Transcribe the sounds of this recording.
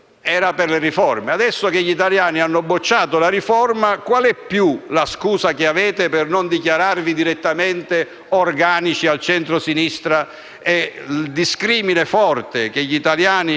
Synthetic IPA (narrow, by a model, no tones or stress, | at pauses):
ɛːɾapɪrlerifɔrmead̪ɛsːokeʎːit̪aljaːnianːobːot͡ʃːaːt̪olarɾifɔrmakwalɛpːjulaskuːsakeavɛːt̪epɪrnond̪ikjaɾarvid̪iɾet̪ːament̪e | orɡaːnit͡ʃialt͡ʃɛnt̪ɾosinist̪ɾa | ɛd̪iskɾiːminefɔrt̪ekeʎːit̪aljaːni